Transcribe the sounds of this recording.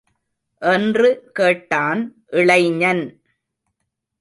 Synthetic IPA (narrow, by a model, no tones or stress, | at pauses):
ʔɛndrɯkeːʈːaːnʔɪɭɐɪɲɐn